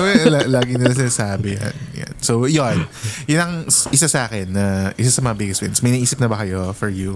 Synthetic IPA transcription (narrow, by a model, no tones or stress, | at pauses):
ɛalaːɡɪnɪlɐs̬ɪnaːsaːbɪja̰nja̰nsowjonjʊnɐŋʔɪsasɐaːkɛnːɐʔɪsasɐmɐŋɐbɪɡɛswɪ̰nsmɐjnɐʔiːsɪp̚nɐbɐkɐjo̞fɔɹju